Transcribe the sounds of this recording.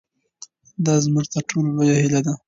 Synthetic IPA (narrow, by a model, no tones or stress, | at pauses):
d̪ɑzmuʐt̪aʈʰolwajahilad̪a